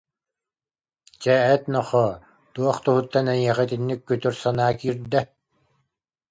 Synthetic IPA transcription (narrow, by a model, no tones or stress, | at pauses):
t͡ɕɛɛt̪nɔχɔ | t̪uɔχt̪uɦut̪ːanɛj̪iɛχɛt̪inːikːyt̪yɾsanaːkiːɾd̪ɛ